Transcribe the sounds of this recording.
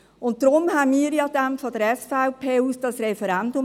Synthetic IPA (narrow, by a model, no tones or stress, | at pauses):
ʊn̚d̥ɾʊmhɛnmiːɾjɑːd̥æmfɔdəɾɛsfaʊpʰeːuːsd̥ɑsɾɛfɛɾɛndʊ